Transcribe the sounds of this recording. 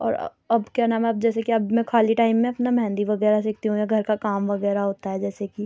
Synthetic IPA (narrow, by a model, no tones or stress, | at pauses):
ɔ̰ːɾ̰ | ɐbkjanaːmaːb̚d͡ʒɛːsekiɐbmɛ̃kʰaːliʈaːɪmːẽɐpnamɛɦɛ̃ːnd̪iʋɐɣɛːɾas̬ɪk̚t̪iɦũjaɡʱɐɾkakaːmʋɐɣɛːɾaɦoːt̪aɦɛd͡ʒɛːseki